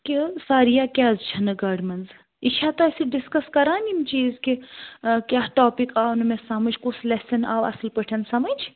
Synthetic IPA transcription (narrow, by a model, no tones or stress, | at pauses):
kʲisaːɾijaːkʲaːzt͡ʃʰɐnɨɡaːɖmɐnz | iʃʰaːt̪ɐsiɖiskɐskɐɾaːnimt͡ʃiːzkikʲaːɦʈoːpikaːwnɨmesɐmɐd͡ʒkuslesɐna̰ːwɐ̰slpəʈʰɐnsɐmɐd͡ʒʰ